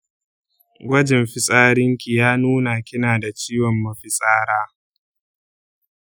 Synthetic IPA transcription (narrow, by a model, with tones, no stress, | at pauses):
ɡʷɐ˦d͡ʒɪ˨mɸɪ˦sʼaː˦ɽɪ˦ŋkʲi˨jaː˦nuː˦na˨kʲɪ˦naː˨da˨t͡ʃiː˦wɔ˨mːɐ˨ɸɪ˦sʼaː˦ɾaː˦